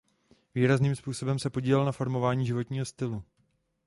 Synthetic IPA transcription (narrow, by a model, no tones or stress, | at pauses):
viːɾazniːmspuːso̞bɛmsɛpo̞ɟiːlɛlnafo̞ɾmo̞vaːɲiːʒɪvo̞t̪ɲiːɦo̞st̪ɪlu